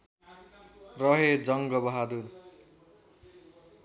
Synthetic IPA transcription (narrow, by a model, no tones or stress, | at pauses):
rʌɦed͡zʌŋɡʌbʌɦad̪un